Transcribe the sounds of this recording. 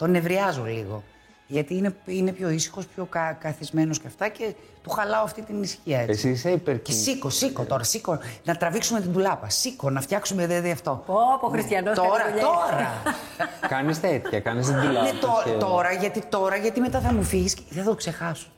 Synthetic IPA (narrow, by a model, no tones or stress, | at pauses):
t̪o̞ne̞vɾiɐzolḭɣo̞̰ | ʝɐt̪iːneine̞pço̞isi̥xo̞spço̞kɐkɐθizme̞no̞sceɐft̪ɐce̞ | t̪uxɐlɐoɐft̪it̪inisçiɐesisiseipeɾesikosikott̪o̞ɾɐsiko̞nɐt̪ɾɐviksume̞t̪id̪ulɐpɐsiko̞nɐft̪çɐksumeðeðiɐft̪o̞opoxɾist̪çɐnost̪oɾɐt̪oɾɐ | kɐnist̪et̪çɐkɐnist̪id̪ulɐnet̪oɾt̪o̞ɾɐʝɐt̪it̪o̞ɾɐʝɐt̪ime̞t̪ɐθɐmufiʝisθɐt̪okse̞xɐso̥